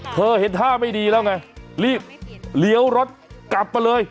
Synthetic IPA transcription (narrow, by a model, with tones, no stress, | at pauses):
t̪ʰɤː˧he˨˦nt̪ʰaː˥˩ma˥˩jdiː˧lɛː˦˥wŋa˦˥˩jliː˥˩p̚li˨˦əwɾo˦˥t̪̚kla˨˩p̚ːa˧jlɤː˧j